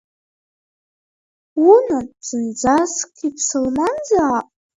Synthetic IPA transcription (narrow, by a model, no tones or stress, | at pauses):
unat͡sɨnd͡zaskʰipʰsɨlmand͡zaapʼ